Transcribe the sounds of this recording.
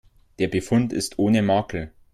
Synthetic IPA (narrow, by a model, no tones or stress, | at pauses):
d̥eːɐbəfʊntɪ̰stʔoːnəmaːkl̩